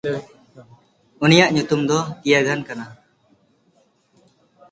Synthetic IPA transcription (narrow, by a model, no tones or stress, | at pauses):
unijaʔɲut̪umd̪ɔt̪ijaɡʱankana